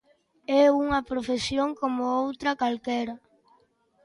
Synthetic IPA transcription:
ɛuŋɐpɾofesjoŋkomʊowt̪ɾɐkalkɛɾɐ

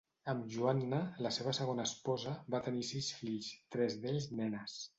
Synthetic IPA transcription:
əmʒuanːələseβ̞əsəɣ̞onəːspɔzəbat̪ənisisfiʎst̪ɾɛzðeʎznɛnəs

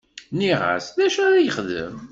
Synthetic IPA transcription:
niʁa̰sðæʃæɾæjəχðə̰m

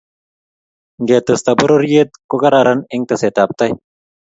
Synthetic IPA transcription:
ɡeːt̪ɨst̪ɐbuɾoɾjet̪̚kuɡɐɾaːɾɐniŋɡ̚t̪ɐseːt̪aːp̚t̪ɐj

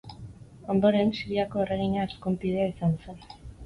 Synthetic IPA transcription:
o̞nd̪o̞ɾe̞nsiɾiako̞ereɣ̞iɲaeskumpið̞e̞aisanse̞n

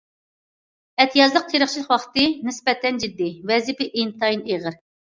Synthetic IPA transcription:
ɛt̪ʰijɑzlˠəq̚t̪ʰeɾəχt͡ʃʰilˠəqwɑχt̪ɨnɪspɛt̪ʰɛnd͡ʒid̪ːɪvɛzɪpɪʔint̪ʰɑjineʁəɾ

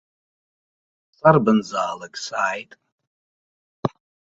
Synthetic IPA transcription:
t͡sʼarbɨnzaːlaɡsaːjtʼ

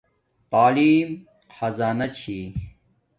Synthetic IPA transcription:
t̪aːliːm | xɐzaːnɐt͡ɕʰiː

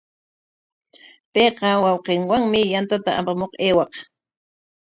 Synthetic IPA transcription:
peːqɑwɑwqeŋwaŋmɪjant̪at̪aʔapamoqeːwɑq

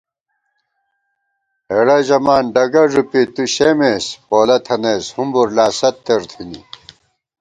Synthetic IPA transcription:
eɽɐʑɐmaːnɖɐɡɐʐupit̪uɕemeːspoːlɐt̪ʰɐneːshumbuɾlaːsɐt̪ːeɾt̪ʰinḭ

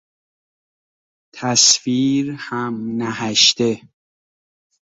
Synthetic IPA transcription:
t̪ʰæsfiːɾhæmnæhæʃt̪e

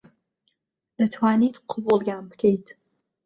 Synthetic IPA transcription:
d̪̥ət̪ʰwaːnit̪qʰʊbulˠɡaːmbkʰejt̪ʰ

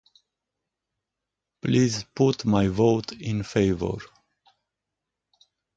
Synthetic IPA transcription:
plizput̪majvoʊtʰɪ̃nfeɪvə̰ɹ

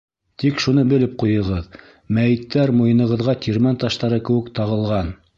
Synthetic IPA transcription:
t̪ikʃunɤbɘ̆lɘp̚qujɤ̆ʁɤð | mæjɘ̆t̪ːæɾmujɤ̆nɤ̆ʁɤ̆ðʁɑt̪ʰʲiɾmænt̪ɑʃt̪ɑɾɤkɘ̆wɘkt̪ɑʁɤ̆lˠʁɑn

